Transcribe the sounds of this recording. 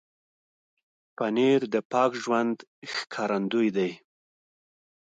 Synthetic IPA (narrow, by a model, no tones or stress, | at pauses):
paneɾd̪əpɑkʒwand̪xkʰɑɾand̪ujd̪aj